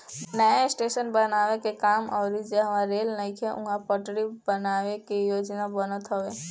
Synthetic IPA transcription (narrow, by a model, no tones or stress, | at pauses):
nəjasʈesənbənawekekamɔːɾid͡ʒeɦəʋãɾelnəɪ̃kʰeʔũɦãpəʈɽibənawekijod͡ʒnabənət̪ɦɔwe